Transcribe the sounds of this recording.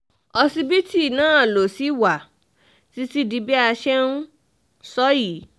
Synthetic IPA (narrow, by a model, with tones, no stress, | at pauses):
ɔ˧si˦bi˦ti˦˨nãː˦˨lo˨si˨˦wa˨ | ti˦si˦di˧bi˦a˧ʃɛ˦nũ˦ | sɔ˦ji˨˦